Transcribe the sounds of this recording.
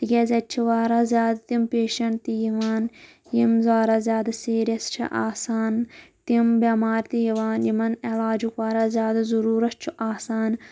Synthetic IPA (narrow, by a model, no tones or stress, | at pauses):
t̪ikʲɐzʲɐt͡ʃʰiʋaːɾazjaːd̪t̪impeːʃɐɳt̪ijiʋaːn | jimzaːɾazʲjaːd̪ɐsiːɾʲjɐst͡ʃʰḭʔa̰ːsaːnt̪imbʲɐmaːɾt̪ijiʋaːnjimɐnelaːd͡ʒukʋaːɾazʲjaːd̪azɐɾuːɾɐst͡ʃʰuʔaːsaːn